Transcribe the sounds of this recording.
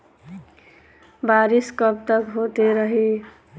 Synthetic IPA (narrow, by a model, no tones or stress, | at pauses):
baɾiskʌp̚t̪ʌkɦot̪eɾʌɦi